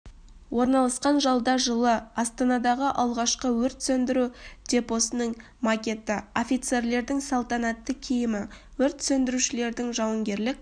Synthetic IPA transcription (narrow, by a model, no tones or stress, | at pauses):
wʔo̞ɾnɑlˠɑsqɑnʒɑlˠd̪ɑʒəlˠəɑst̪ɑnɑd̪ɑʁəʔɑlˠʁɑʃqəwɵɾt̪sɵnd̪ɪɾud̪̥ʲe̞po̞sənəɴ | makʲe̞t̪ɪo̞fʲijt̪se̞ɾle̞ɾd̪ɪŋsɑlˠt̪ɑnɑt̪ːəkʲʰijɪmɪ | wɵɾt̪sɵnd̪ɪɾuʃɪle̞ɾd̪ɪŋʒɑwəŋɡʲe̞ɾlɪk̚